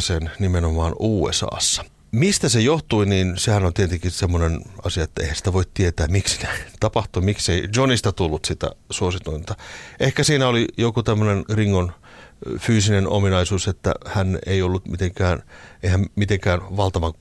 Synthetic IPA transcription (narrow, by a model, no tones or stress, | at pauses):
sennimenomɑːnʔuːḛsɑ̰ːsːɑ̥ | mist̪æsejoht̪uiniːnsehænont̪ient̪ikisemːonenɑsijɑet̪ːæḛihænsi̥t̪æʋoit̪t̪iet̪æːmiksi̥kæt̪ɑpɑht̪uimikseid͡ʒonist̪ɑt̪ulːut̪sit̪æ̰suosit̪uint̪ɑʔehkæsiːnæolijokut̪æmːønenriŋːon | fyːsineno̰minɑisuːset̪ːæ̰hænḛiolːut̪mit̪eŋkæːneihæmmit̪eŋkæːnʋɑlt̪ɑʋɑŋ